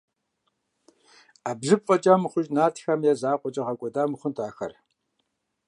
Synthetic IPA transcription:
abɮɨpfʼɐt͡ʃʼamɨχʷʊʒnaːtʰxɐmjɛzaːqʷʼɔt͡ʃʼɐʁɐkʷʼɔdaːmɨχʷʊntʰʼaːxɐ̰r

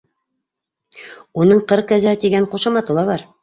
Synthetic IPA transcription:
unɤɴqɤɾkæzæt̪iɡæɴquʃɑmɑt̪ɤ̆lˠɑβɑɾ

